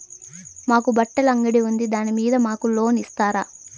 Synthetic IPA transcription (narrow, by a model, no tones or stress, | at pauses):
maːkubɐʈːɐlɐŋɡɐɽiund̪id̪aːnimiːd̪ɐmaːkulo̞ːnist̪aːɾaː